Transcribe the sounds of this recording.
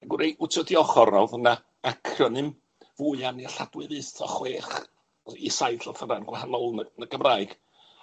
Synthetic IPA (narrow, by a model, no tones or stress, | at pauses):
aɡʊɾejʊtʰɔdiɔχɔrnɔwðəna | akʰrjɔnɨm | vuɨanirɬa̰dwɨvɨθɔχweːχ | isajɬɔθənanɡwahanɔlˠnənəɡəmraɨɡ̥